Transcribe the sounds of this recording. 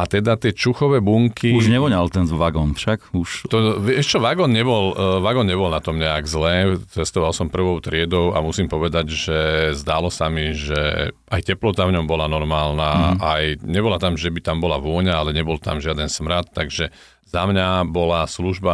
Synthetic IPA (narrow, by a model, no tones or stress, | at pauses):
at̪ɛd̪at̪ɪɛt͡ʃuxɔʋɛːbuŋkiuʒɲɛʋɔɲalt̪ɛnʋaɡɔːnfʃakuʃt̪ɔʋɛʃt͡ʃɔʋaɡɔːnɲɛbɔlʋaɡɔːnɲɛbɔlnat̪ɔmɲɛaɡzlɛːt͡sɛst̪ɔʋalsɔmpr̩ʋɔʊt̪ɾɪɛd̪ɔʊamusimpɔʋɛd̪aɟʒɛzd̪aːlɔsamiʒɛ̰ʔajcɛplɔt̪avɲɔmbɔlanɔɾmaːlnaːajɲɛbɔlat̪amʒɛbit̪ambɔlaʋʊɔɲaalɛɲɛbɔlt̪a̰mʒɪad̪ɛnsmɾat̪ːaɡʒɛ | zamɲabɔlasluʒba